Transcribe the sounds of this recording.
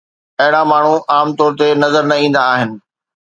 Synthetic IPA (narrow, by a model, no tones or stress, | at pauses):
ɐɦɪɽ̃ãmaːɳ̤uaːmt̪ɔːɾt̪enɐzəɾnɐĩːnd̪aːɦɪnɪ̆